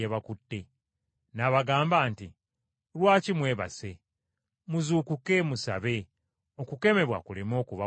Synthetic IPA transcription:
eβakutːe̞ | naβaɡaːmbaːnti | lwaːcimwe̞ːβa̰se̞ | muzuːkuke̞musa̰βe̞ | o̞kuke̞me̞βwa̰kulemo̞ːkuβa

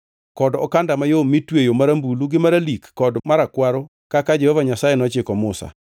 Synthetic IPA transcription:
kɔdɔ̰kandamajomitwejomaɾambuluɡɪmaɾalikːɔdmaɾakwaɾo | kakad͡ʒɛhɔvaɲasajenɔt͡ʃɪkɔmʊsa̰

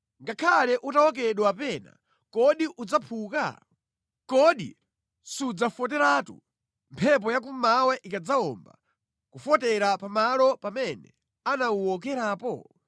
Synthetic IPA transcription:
ŋɡakʰalɛʔutawɔk̬ɛɗwapɛna̰ | kɔɗiʔud͡zapʰuːka̰ | kɔɗḭ | sud͡zafɔt̬ɛɾaːtṵ | mpʰɛp̬ɔjak̬umawɛʔikad͡zaɔmba̰ | kufɔtɛɾapamalɔpamɛnɛ̰ | anauɔk̬ɛɾaːpɔ̰

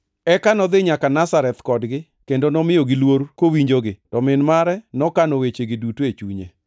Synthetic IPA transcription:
ɛkanɔd̪ɪɲakanasaɾɛt̪kɔdɡɪ | kendonɔmɪjoɡɪlwoɾkowiɲd͡ʒoɡɪtɔmɪnmaɾɛnɔkanowet͡ʃeɡɪdutoet͡ʃuɲḛ

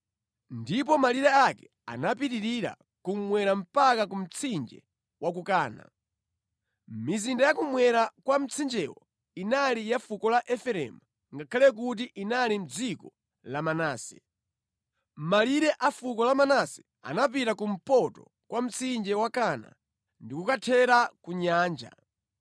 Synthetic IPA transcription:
ndip̬ɔmaliɾɛakɛ̥ | a̰nap̬itiɾiɾa̰ | kum̩mwɛɾam̩pakakum̩t͡sʰind͡ʒɛ̰ | wʔak̬ukaːna̰ | mizindajakumwɛɾakwam̩t͡sʰind͡ʒɛwɔ̰ | inalijafukɔlaʔɛfɛɾɛ̰mu | ŋɡakʰalɛk̬ut̬iʔinalim̩d͡zikɔ | lamanaːsɛ | maliɾɛʔafukɔlamanasɛ̥ | a̰nap̬itakum̩pɔtɔ̰ | kwam̩t͡sʰind͡ʒɛwakana̰ | ndikukatʰɛɾakuɲaːnd͡ʒa̰

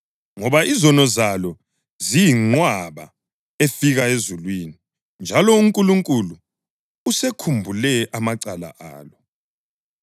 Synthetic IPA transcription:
ŋɔβaʔizɔnɔzalɔ | zijiŋ͡ǃwaβa̰ | efiɣaezulwini | nd͡ʒʱalɔuŋkʼuluŋkʼuluː | sekʰumbʱulɛʔamaǀala̰ʔa̰ːlɔ

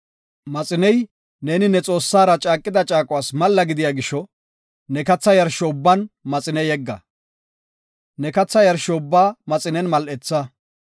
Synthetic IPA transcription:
mɐt͡sʼɪnɛj | ne̞ːnɪnɛt͡sʼo̞ːsːaːɾɐt͡ʃʼaːkʼːɪd̪ɐt͡ʃʼaːkʼʊwaːsmɐlːɐɡɪd̪ɪjaːɡɪʃːɔ | nɛkɐt͡sːɐjɐɾʃɔʊbːɐnmɐt͡sʼɪnɛjɛɡːɐ̰ | nɛkɐt͡sːɐjɐɾʃɔʊbːaːmɐt͡sʼɪnɛnmɐlʔɛt͡sːɐ

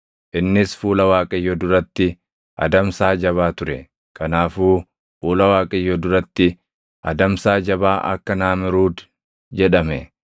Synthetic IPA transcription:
ʔɪnːɪsfuːlɐwaːkʼɐjːɔd̪ʊɾɐt̪ːɪ | ʔɐ̰d̪ɐmsaːd͡ʒɐβaːt̪ʊɾɛ | kɐnaːfuː | fuːlɐwaːkʼɐjːɔd̪ʊɾɐt̪ːɪ | ʔɐ̰d̪ɐmsaːd͡ʒɐbaːʔɐ̰kːɐnaːmɪɾuːd̪ | d͡ʒɛᶑɐmɛ

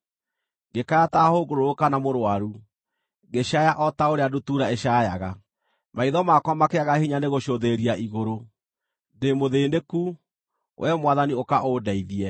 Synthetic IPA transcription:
ɡekaatahoɡoɾookanamoɾwaɾu | ɡeʃajaʔɔtaoɾeadutuːɾaeɕajaɣa | maiðɔmakwamakeaɣahiɲaneɣoʃoðeɾiaʔiɣoɾo | demoðeːndeku | wʔɛmwaðaniokaʔodaiðiɛ

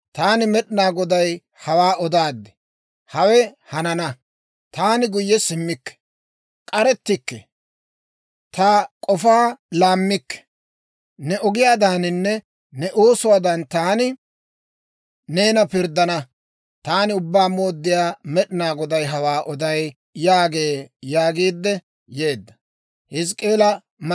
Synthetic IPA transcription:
t̪aːnɪmɛɗɪnaːɡɔd̪ɐj | hɐwaːʔɔd̪aːd̪ːɪ̥ | hɐwɛhɐnɐnɐ | t̪aːnɪɡʊjːɛsɪmːɪkːɛ̥ | kʼɐɾɛt̪ːɪkːɛ | t̪ɐkʼɔfaːlaːmːɪkːɛ̥ | nɛʔɔɡɪjaːd̪aːnɪnːɛ | nɛʔoːsʊwaːd̪ɐnt̪aːnɪ | ne̞ːnɐpɪɾd̪ːɐnɐ | t̪aːnɪʊbːaːmo̞ːd̪ːɪjaːmɛɗɪnaːɡɔd̪ɐjɦɐwaːʔɔd̪ɐj | jaːɡe̞ːjaːɡiːd̪ːɛ | je̞ːd̪ːɐ | hɪs̬kʼe̞ːlɐ | m

